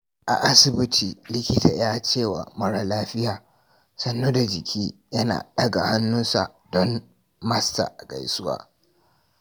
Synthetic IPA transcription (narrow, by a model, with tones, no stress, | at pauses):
ʔa˨ʔa˦sɪ˨bɪ˦tʰiː˨lɪ˦kʲɪ˦ta̰ː˨jaː˦t͡ʃeː˦˨wa̰˨mɐ˦ɽa˦laː˦ɸɪ˦jaː˨ | sɐ˦nːoː˦da˨d͡ʒɪ˨kʲʰiː˦jɐ˦na̰ː˨ɗɐ˦ɡa̰˨ha˦nːʊ˦nsa̰˨ | dɔ˦m | mɐ˦sta̰˨ʔa˨kʼa̰˨jsʊ˦wa̰ː˦